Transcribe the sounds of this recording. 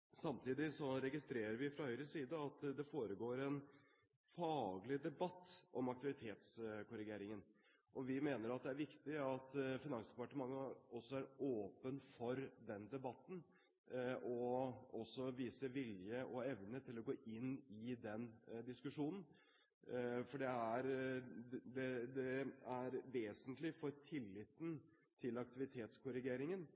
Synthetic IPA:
sɑmt̪ʰiːd̪ɪsɔɾɛɡɪst̪ɾeːɾəɾʋɪfɾɑhœʏɾəsiːd̪əɑt̪d̪ɛfoːɾəɡoːɾɛn | fɑːɡlɪd̪ɛbɑt̪ːʔɔmɑkt̪ɪʋɪt̪ʰeːt̪skʊɾɪɡeːɾɪŋən | ʔɔʋɪmeːnəɾɑt̪̚d̪ɛæɾʋɪkt̪ɪɑt̪fɪnɑŋspɑʈəmɑŋːəɔsːɔæɾoːpənfɔɾd̪ɛnd̪ɛbɑt̪ːn̩ | ɔɔsːɔʋiːsəʋɪljəʔɔɛʋnət̪ʰɪlɔɡoːʔɪnːɪd̪ɛnd̪ɪskʉʂuːnn̩ | fɔɖɛæɾ | d̪ɛd̪ɛæɾʋeːsənt̪lɪfɔɾtʰɪlːɪt̪ːn̩ | t̪ʰɪlɑk̚t̪ɪʋɪt̪ʰeːt̪skʰʊɾɪɡeːɾɪŋən

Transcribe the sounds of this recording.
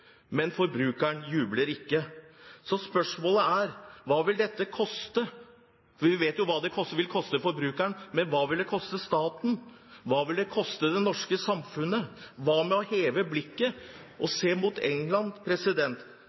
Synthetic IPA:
mɛnfɔɾbɾʉːkæɳjʉːbləɾɪkːəsɔspœʂmoːləæɾʋɑːʋɪld̪ɛt̪ːəkʰɔst̪ə | fʋɪʋeːt̪jʊʋɑːd̪ɛkʰɔsʋɪlkʰɔst̪əfɔɾbɾʉːkæɳmɛnʋɑːʋɪld̪ɛkʰɔst̪əst̪ɑːt̪n̩ | ʋɑːʋɪld̪ɛkʰɔst̪əd̪ɛnɔʂkəsɑmfʉnːəʋɑːmɛɔheːʋəblɪkːəʔɔseːmuːt̪ʰɛ̰ŋlɑnpʰɾɛsɪd̪ɛnt̪

